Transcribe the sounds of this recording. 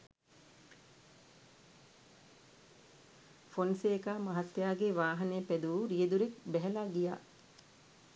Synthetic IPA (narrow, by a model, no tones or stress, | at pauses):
fonseːkaːmaɦat̪ːjaːɡeʋaːɦɐnejəpæd̪uʋuɾijed̪uɾek̚bɛɦɛlaɡija̰ː